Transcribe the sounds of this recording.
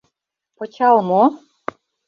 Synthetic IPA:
pɤ̆t͡ɕɑlmo

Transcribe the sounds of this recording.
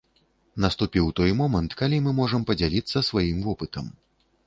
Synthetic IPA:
nɐst̪upʲiwt̪ɔjmɔmɐnt̪kalʲimɨmɔʐɐmpɐd͡zʲalʲit̪sːɐsvajimvɔpɨt̪ɐm

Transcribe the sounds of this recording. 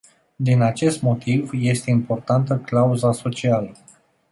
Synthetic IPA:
d̪inat͡ʃe̞st̪mo̞t̪ivje̞st̪e̞impo̞rt̪ant̪əklauzaso̞t͡ʃialə

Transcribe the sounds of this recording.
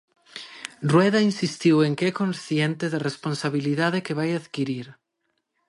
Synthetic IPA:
rwɛðainsist̪iweŋkɛkõnsθjent̪ɪðaresponsaβiliðaðekeβajaðkiɾiɾ

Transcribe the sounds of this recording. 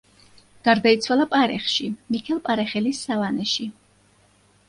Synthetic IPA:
ɡ̥aɾd̪ait̪sʰwalˠapʼaɾɛχʃimikʰɛlˠpʼaɾɛχɛlisːavanɛʃi

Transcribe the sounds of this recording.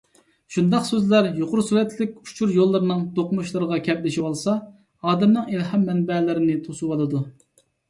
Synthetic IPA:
ʃund̪ɑqsøzlæɾjoqʰʊɾsuɾɛt̪lɪk̚ʲu̥t͡ʃʰuɾjolˠːɨɾɨnɨŋt̪oqmuʃlˠɨɾəʁɑkʲʰɛblɪʃiwɑlˠsɑ | ɑːd̪ɛmnɨŋɪlhɛmːɛnbɛlɪɾɪnɪt̪ʰosuwɑlɨd̪u

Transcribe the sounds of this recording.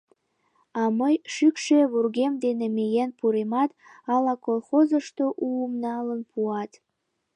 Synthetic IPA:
ɑməjʃykʃeβurɣemd̪enemejenpuɾemɑt̪ɑlɑkolˠxozəʃt̪oʔuəmnɑlənpʰuɑt̪

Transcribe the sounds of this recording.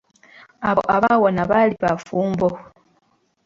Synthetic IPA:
aʔaβawonaβaliβafuːmbo

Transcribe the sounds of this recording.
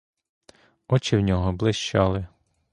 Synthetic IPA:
ɔt͡ʃɪwnʲɔɦɔblˠɪʃt͡ʃɑlˠɪ

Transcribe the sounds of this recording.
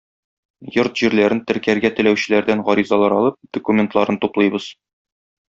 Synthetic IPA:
joɾt̪ʑiɾlæɾɘnt̪ɘ̆ɾkæɾɡæt̪ɘ̆læwɕɘ̆læɾd̪ænʁɒɾizɑlˠɑɾɒlˠɤp̚d̪okumʲent̪lˠɑɾɤnt̪uplˠɤjbɤz̥

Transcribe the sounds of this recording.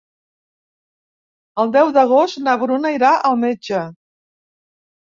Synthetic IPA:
əlˠd̪ɛwðəɣ̞ost̪nəβɾunəiɾaʔəlˠmed͡ʒə

